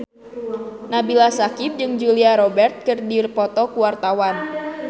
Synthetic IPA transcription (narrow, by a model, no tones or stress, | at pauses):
nabilasakip̚d͡ʒɨŋd͡ʒuliaɾɔbɛrt̪̚kɨrdirpɔt̪ɔkuwart̪awan